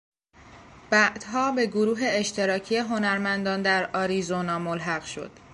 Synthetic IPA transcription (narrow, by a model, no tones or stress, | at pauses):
b̥æʔd̪̥ɦɒːbe̞ɡoɾuːɦe̞ːʃt̪ʰe̞ɾɒːcʰije̞ɦo̞næɾmænd̪ɒːnd̪æɾɒːɾizonɒːmolɦæɣʃo̞̰d̪̥